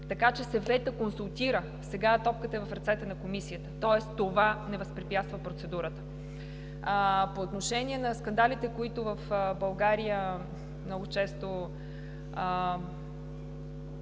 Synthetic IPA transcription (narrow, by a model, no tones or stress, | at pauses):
t̪ɐkat͡ʃɛsɐvɛt̪əkonsulˠt̪iɾə | sɛɡat̪ɔp̚kət̪əɛvɐfɾɐt̪sɛt̪ənɐkomisijət̪ət̪ɔɛst̪ovanɛvɐspɾipjat̪st̪vəpɾot̪sɛd̪uɾət̪ə̥ | poːt̪noʃɛnʲiɛnɐskɐnd̪alʲit̪ɛkoit̪ʊvɐfbɐlˠɡaɾijə | mnɔɡot͡ʃɛst̪o